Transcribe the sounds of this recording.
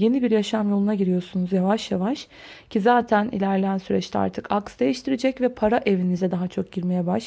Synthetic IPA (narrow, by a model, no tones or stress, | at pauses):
je̞nibiɾjaʃamjo̞lˠunaɟiɾijo̞ɾsunuzjavaʃjavaʃ | cʰizaːt̪ʰænḭlʲæɾlʲeænsyɾɛt͡ʃt̪ʰɛa̰ɾt̪ʰɯkaksd̪e̞jiʃt̪ʰiɾed͡ʒɛcvɛpʰaɾaʔevinizɛd̪aɦat͡ʃʰo̞k̚ɟiɾme̞jɛbaʃ